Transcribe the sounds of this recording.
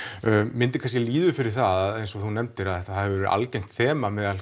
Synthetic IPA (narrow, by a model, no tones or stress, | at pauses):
mɪnt̪ɪkʰanscɛliːðʏfɪɾɪɾ̥θaðaðejnsɔθunɛmt̪ɪɾaðɛht̪aθavɛɾʏʔa̰lcɛjn̥t̪θɛːmamɛðal